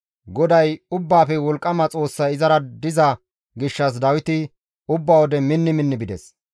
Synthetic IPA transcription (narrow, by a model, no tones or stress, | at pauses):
ɡɔd̪ɐjʊbːaːfɛwɔlkʼːɐmɐt͡sʼo̞ːsːɐɪzɐɾɐd̪ɪzɐ | ɡɪʃːɐs̬d̪ɐwɪt̪ɪ | ʊbːawɔd̪ɛmɪnːɪmɪnːɪbɪd̪ɛs